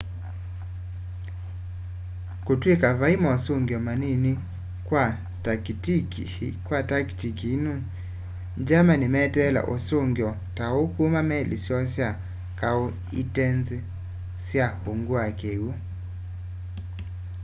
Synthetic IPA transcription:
kotwekavaimɔsoŋɡjɔmanini | kwa | tktikkwataktikinu | d͡ʒamanimɛtɛla̰ʔosoŋɡjɔ | taokumamɛlḭsjɔsja | kao | ḭtɛnze | sjahoŋɡwakewo

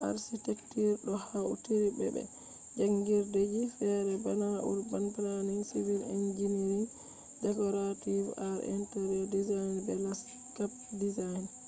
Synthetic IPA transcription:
ʔa̰ɾsitɛktiɾɗɔhaṵtiɾibɛ̰bɛ̰ | d͡ʒaŋɡiɾded͡ʒifɛɾɛbanaʔṵɾbanplaniŋsivilind͡ʒiniɾin | d͡ʒɛkɔɾativaɾḭntɛɾɔdizajnbɛlas | kap | dizajn

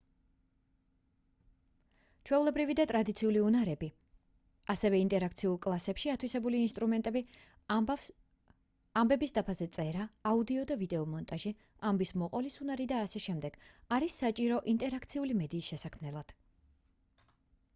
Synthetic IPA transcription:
t͡ʃʰwɛulɛbɾivid̪at̪ʼɾad̪it̪sʰiuliunaɾɛbi | asɛvɛint̪ʼɛɾakʰt̪sʰiulˠkʼlˠasɛpʃiat̪ʰwisɛbuliːnst̪ʼɾumɛnt̪ʼɛbi | ambɛbisd̪apʰazɛt̪sʼɛɾaːud̪iɔd̪avid̪ɛɔmɔnt̪ʼaʒi | ambismɔqʼɔlisunaɾid̪aːsɛʃɛmd̪ɛɡ̥aɾisːat͡ʃʼiɾɔʔint̪ʼɛɾakʰt̪sʰiulimɛd̪iːsʃɛsakʰmnɛlˠad̪̥

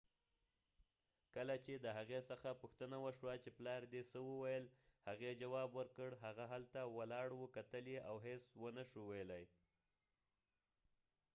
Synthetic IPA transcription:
kəlat͡ʃed̪əɦaɣesəxapuxt̪ənawəʃwat͡ʃeplɑɾd̪esəwəwajəlhaɣed͡ʒawɑbwəɾkəɽɦaɣaɦalt̪awalɑɽwəkat̪əljeʔawɦeswənəʃuwejlaj

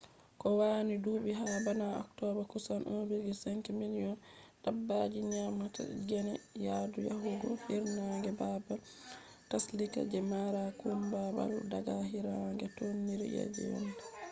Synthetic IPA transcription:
kɔwaːnidubiɦabanaɔ̰ktɔbakusanʔobilɡisɛŋkɛminijɔndabːad͡ʒiɲamata̰ɡɛnɛjadujaɦuɡɔhiɾnaŋɡɛbabal | taslika̰d͡ʒɛmaɾakumbaba̰ldaɡaɦiɾaŋɡɛtonːiɾɛ̰ja̰d͡ʒɛ̰wɛ̰nda

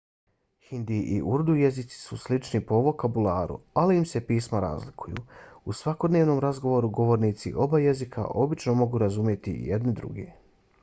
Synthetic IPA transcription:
hind̪iʔḭʔuɾd̪uje̞zit̪si̥suslit͡ʃnipo̞ʋo̞kabulaːɾṵaliimse̞piːsmaɾa̰ːzlikujṵusʋako̞d̪neːʋnomɾazɡo̞ʋo̞ɾuɡo̞ʋo̞ɾniːt̪sḭʔo̞baje̞zikʰa̰ʔo̞bit͡ʃno̞mo̞ɡuɾazumje̞t̪ḭjed̪nid̪ɾṵɡḛ

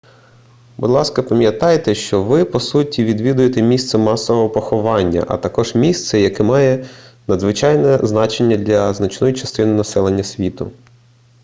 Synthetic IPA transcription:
bʊ̰d̪lˠɑskɐpɐmʲjɐt̪ɑjet̪ɛʃt͡ʃɔʋɪpɔsutʲiʋʲid̪ʋʲid̪ʊjet̪ɛmʲist̪sɛmɑsɔʋɔɦɔpɔxɔʋɑnʲːɐ̰ʔɐ̰t̪ɐkɔʒmʲist̪sɛjɐkɛmɑjɛnɐd̪zʋɪt͡ʃɑjnɛznɑt͡ʃenʲːɐd̪lʲɐznɐt͡ʃnɔjit͡ʃɐst̪ɪnɪnɐsɛlˠenʲːɐsʲʋʲit̪ʊ̰

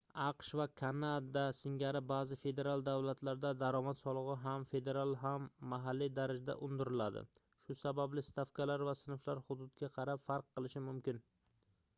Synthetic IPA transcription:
ɑqʃvakʰanad̪asɪŋɡʲaɾɪbazɪfe̞d̪e̞ɾalˠd̪avlat̪laɾd̪ad̪aɾɒmat̪sɒlˠɨʁɨɦamfe̞d̪e̞ɾalˠɦamːaɦalːid̪aɾɪd͡ʒd̪a̰ʔʊnd̪ɪɾɪlad̪ɪ̰ | ʃʊsabablɪst̪afkʰalaɾvasɪnɪflaɾhʊd̪ʊd̪ɡʲaqʰɑɾapfaɾqːɨlˠɪʃɪmʊmkʲɪn

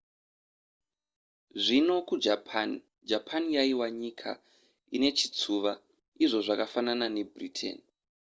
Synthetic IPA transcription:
ʐino̞kud͡ʒapn | d͡ʒapʰanijaiwaɲikʰa̰ | ine̞t͡ʃit͡suːʋa | iʐo̞ʐakafananane̞britʰḛni

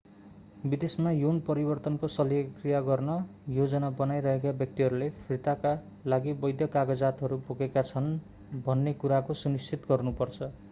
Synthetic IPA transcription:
bid̪esmajunpʌɾibʌrt̪ʌnkosʌljʌkrijaɡʌrnʌjod͡zʌnabʌnajɾʌɦekabjʌk̚t̪iɦʌɾulepʰrit̪aka | laɡibʌjd̪ʱjʌkaɡʌd͡zat̪ɦʌɾupoɡekat͡sʰʌn | bʱʌnːekuɾakosunist͡sit̪ɡʌrnupʌrt͡sʰʌ

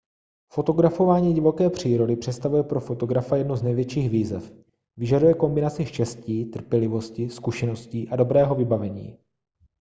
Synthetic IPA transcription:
fo̞t̪o̞ɡɾafo̞vaːɲiːɟɪvo̞kɛːpr̝̥iːɾo̞dɪpr̝̥ɛt̪st̪avujɛpɾo̞fo̞t̪o̞ɡɾafajɛdnuznɛjvjɛt͡ʃiːxviːzɛf | vɪʒadujɛko̞mbɪnat͡sɪʃcɛsciːt̪r̩pjɛlɪvo̞scɪskuʃɛno̞sciːʔado̞bɾɛːɦo̞vɪbavɛɲḭː

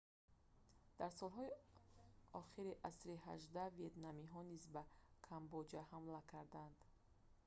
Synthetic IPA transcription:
d̪̥aɾsɔlˠɦɔi | ɔχiɾiʔasɾiɦaʒd̪aviet̪namiɦɔnizbakʰambɔd͡ʒahamlakʰaɾd̪and̪

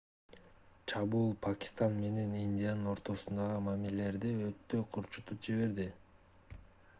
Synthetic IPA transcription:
t͡ʃʰɑβuːlˠpʰakʲɪ̥st̪anme̞ne̞ninʲd̪ʲijanɯno̞ɾt̪o̞sund̪ɑʁɯmamilele̞ɾd̪iø̞t̪ːø̞qʰuɾt͡ʃu̥t̪up̚d͡ʒiβe̞ɾd̪i

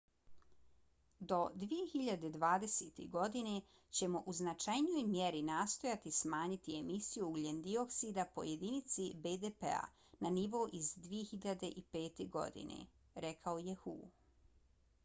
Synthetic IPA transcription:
d̪o̞d̪ʋije̞xiʎad̪e̞d̪ʋaːd̪e̞set̪ḭɡo̞d̪ine̞ | t͡ɕe̞mo̞ʔuznat͡ʃajnijo̞jmjeɾinaːst̪o̞jat̪ismaːɲit̪iemisijuɡlend̪io̞ksid̪apo̞̰je̞d̪init̪sibed̪epḛa̰ | naniʋo̞ʔizd̪ʋije̞xiʎad̪e̞ʔipe̞ːt̪e̞ɡo̞̰d̪ḭnḛ | ɾe̞kʰaoje̞xuː

